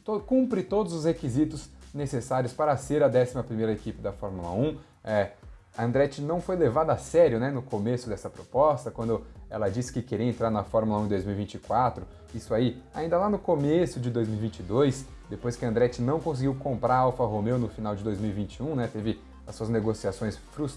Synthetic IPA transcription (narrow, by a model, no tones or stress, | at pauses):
t̪okũpɾɪt̪od̪ʊzʊshekizit̪ʊznesesaɾiʊspaɾɐseɾɐd̪ɛsimɐpɾimejɾɐekipɪd̪ɐfɔɾmulɐ̰ũ | ɛ | ɐ̃nd̪ɾɛt͡ʃɪnɐ̃w̃fojlevad̪ɐasɛɾjʊnɛnʊkomesʊd̪ɛsɐpɾopɔst̪ɐkwɐ̃nd̪ʊɛ̰lɐd͡ʒiskɪkeɾĩẽnt̪ɾaɾnɐfɔɾmulɐũd̪ojzmiwivĩt͡ʃɪkwat̪ɾʊ | isʊaiaĩd̪ɐlanʊkomesʊd͡ʒɪd̪ojzmiwivĩnt͡ʃɪd̪ojs | d̪epojskɪɐ̃nd̪ɾɛt͡ʃɪnɐ̃w̃kõs̬ɪɡiwkõmpɾaɾawfɐɦomewnʊfinawd͡ʒɪd̪ojzmiwivĩnt͡ʃiũnɛt̪evɪ | ɐsuɐzneɡosiasõj̃sfɾu